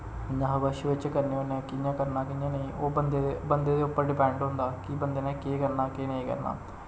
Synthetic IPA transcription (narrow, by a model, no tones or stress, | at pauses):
ɲãːɦʋəʃʋɪt͡ʃkəɾneːoːnɛ̃ːkɪɲãːkəɾnaːkɪɲãːnəĩːʔoːənbənd̪eːd̪eːʊpːəɾɖɪpɛ̃ːɳɖɦʊ̃nd̪aːkɪbənd̪eːnɛ̃ːkeːkəɾnaːkeːnəĩːkə̰ɾna̰ː